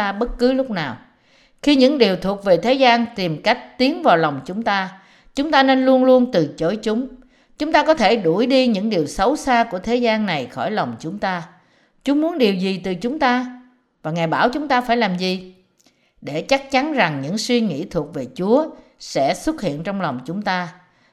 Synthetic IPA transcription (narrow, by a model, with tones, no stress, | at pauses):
a˧ɓə˦˥t̚kɨ˨˦lʊ˦˥k͡p̚naː˨˩w | xi˧ɲɨ̰˧˥ŋɗi˨˩əwt̪ʰu˨˩ək̚ve˨˩t̪ʰe˨˦zaː˧nt̪i˨˩mka˦˥jk̟̚t̪i˨˦ənvaː˨˩wla˨˩wŋ͡mt͡ɕʊ˨˦ŋ͡mt̪aː˧ | t͡ɕʊ˨˦ŋ͡mt̪aː˧ne˧nlu˧ənlu˧ənt̪ɨ˨˩t͡ɕo˧˥˦jt͡ɕʊ˨˦ŋ͡m | t͡ɕʊ˨˦ŋ͡mt̪aː˧kɔ˨˦t̪ʰe˧˩ɗu˧˩jɗi˧ɲɨ̰˧˥ŋɗi˨˩əwsə˨˦wsaː˧ku˧˩ət̪ʰe˨˦zaː˧nːa˨˩jxɔ̰˧˩jla˨˩wŋ͡mt͡ɕʊ˨˦ŋ͡mt̪aː˧ | t͡ɕu˨˦əmu˨˦ənɗi˨˩əwzi˨˩t̪ɨ˨˩t͡ɕʊ˨˦ŋ͡mt̪aː˧ | vaː˨˩ŋaː˨˩jɓaː˧˩wt͡ɕʊ˨˦ŋ͡mt̪aː˧faː˧˩jlaː˨˩mzi˨˩ | ɗe˧˩t͡ɕa˦˥k̚t͡ɕa˨˦nza˨˩ŋɲɨ̰˧˥ŋswi˧ŋḭ˧˥t̪ʰu˨˩ək̚ve˨˩t͡ɕu˨˦ə | sɛ̰˧˥swə˦˥t̚hḭ˧˨ənt͡ɕɔ˧wŋ͡mla˨˩wŋ͡mt͡ɕʊ˨˦ŋ͡mt̪aː˧